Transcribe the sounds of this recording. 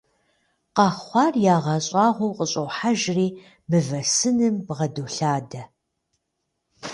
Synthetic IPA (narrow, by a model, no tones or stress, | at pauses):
qɑχχʷɑːrjaːʁɐɕʼɑːʁʷowqʼəɕʼɐwħaʒriː | mɨvɐsɨnɨmbʁɐduɬaːdɐ